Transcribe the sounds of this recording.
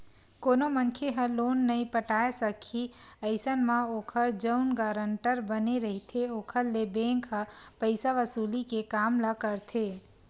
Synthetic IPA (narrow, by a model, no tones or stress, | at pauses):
koːnomənkʰeɦə̃loːnːəĩpəʈaːesəkʰiəɪsənmãoːkʰəɾd͡ʒəʊnɡaːɾəɳʈəɾbəneɾəɦit̪ʰeoːkʰəɾlebẽːŋkɦə̃pəɪsaʋəsuːlikekaːmləkəɾt̪ʰe